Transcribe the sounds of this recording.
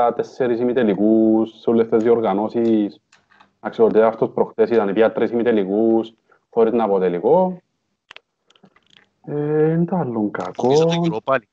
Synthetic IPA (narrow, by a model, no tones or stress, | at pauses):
at̪esːeɾisimit̪elikussulːest̪ːezioɾɣanosis | aksiot̪eaft̪ospɾoxt̪esit̪anipiat̪ːɾisimit̪elikus | xoɾit̪napot̪eliko | ent̪alːoŋka̰ko